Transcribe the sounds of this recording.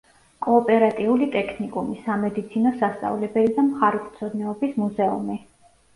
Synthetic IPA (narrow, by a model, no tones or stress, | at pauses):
kʼɔːpʼɛɾat̪ʼiulit̪ʼɛkʰnikʼumisamɛd̪it̪sʰinɔsast̪sʼa̰vlɛbɛlid̪amχaɾukʼt̪sʰɔd̪nɛɔbismuzɛṵmi